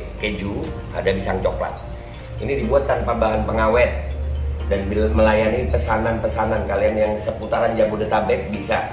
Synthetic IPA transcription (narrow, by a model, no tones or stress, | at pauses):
kəd͡ʒu | a̰dabisaŋt͡ʃokla̰t̪̚ | inidibuat̪ːanpabaɦanpəŋawɛt̪̚danbilməlajanipəsananpəsanankalianjaŋsəput̪aɾand͡ʒabudət̪abɛk̪̚bisa